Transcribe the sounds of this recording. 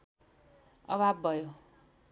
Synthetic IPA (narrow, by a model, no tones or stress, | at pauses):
ʌ̰bʱabːʱʌjo